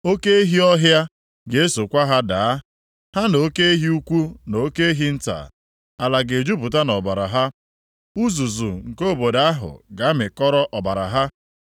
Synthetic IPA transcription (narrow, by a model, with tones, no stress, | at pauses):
o˦ke˦e˦ɦi˦ɔ˦ɦja˦ | ɡe˨e˦so˨kʷa˦ɦa˦daː˨˦ | ha˦no˨o˦ke˦e˦ɦi˦u˦kʷu˦no˨o˦ke˦e˦ɦi˦n̩˦ta̰˨ | a˨la˨ɡe˨d͡ʒu˦pʊ˨ta˦nɔ˨ba˨ɾa̰˨ɦa˦ | u˦zu˨zṵ˨ŋ̩˨ko˦˨bo˨da˦a˦ɦʊ̰˨ɡa˨˦mɪ˨kɔ˦ɾɔ˦ʔɔ˨ba˨ɾa̰˨ɦa˦